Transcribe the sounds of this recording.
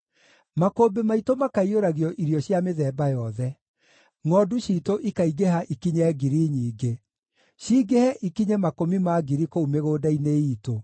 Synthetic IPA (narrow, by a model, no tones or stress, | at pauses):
makoːbemaitomakaioɾaɣiɔʔiɾjɔɕjameðɛːbajɔðɛ | ŋɔduɕiːtoʔikaiɡeɦaʔikiɲɛːɡiɾiɲiːɡe | ɕiːɡehɛʔikiɲemakomimaɡiɾikoumeɣoːdaineiːto